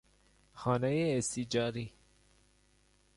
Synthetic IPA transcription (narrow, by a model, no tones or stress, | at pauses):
xɒːnejeːst̪id͡ʒɒːɾi